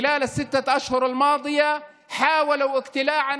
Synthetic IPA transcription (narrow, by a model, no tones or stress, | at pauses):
ɪlaːlasːɪt̪ːaʔaʃhʊɾalmɑːd̪ˤɨja | ħaːwalawʔɪɡt̪ɪlaːʕan